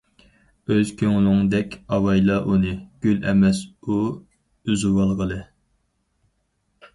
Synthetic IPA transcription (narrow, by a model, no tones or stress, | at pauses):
øz̥kʲʰøŋlˠʊŋd̪ɛkʲɑwɑjlˠɑʔunɨɡ̥ʲylɛmɛsu | yzuwɑlˠʁəlˠɨ